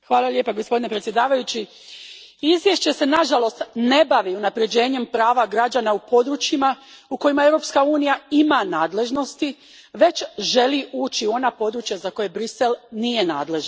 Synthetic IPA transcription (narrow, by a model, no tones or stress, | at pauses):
xʋaːlalʲje̞ːpaɡo̞spo̞d̪ine̞pɾet̪sʲjed̪aːʋajut͡ɕi | izʋje̞ʃt͡ɕe̞se̞naʒalo̞st̪ne̞baʋiunapɾe̞d͡ʑe̞ːɲe̞mpɾaːʋaɡɾad͡ʑanaupo̞d̪ɾuːt͡ɕimauko̞jimae̞wɾo̞pskauːnijaimanaːd̪le̞ʒno̞st̪i | ʋe̞t͡ɕʒe̞liʔuːt͡ɕiuo̞napo̞d̪ɾuːt͡ʃjazako̞je̞bɾise̞lnije̞naːd̪le̞ʒ